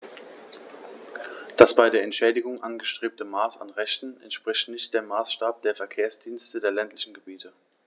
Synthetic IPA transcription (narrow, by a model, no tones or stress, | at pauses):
d̥asb̥aɪdeːɐɛntʃɛːdɪɡʊŋʔanɡəʃtʁ̥eːp̚təmaːsa̰nʁɛçtn̩ɛ̰ntʃpʁ̥ɪçtnɪçtd̥eːmːaːsʃtaːp̚d̥eːɐfɛɐkʰeːɐsd̥iːnstədeːɐlɛntlɪçn̩ɡəbiːtʰə